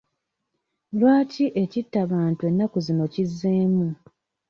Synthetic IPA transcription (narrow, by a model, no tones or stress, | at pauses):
lwaːciʔe̞citːaβaːntue̞nːakuzino̞cizːe̞ːmu